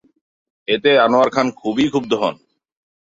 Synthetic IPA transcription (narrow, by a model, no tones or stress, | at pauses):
et̪eanoaɾkʰankʰubikʰub̚d̪ʱɔɦɔn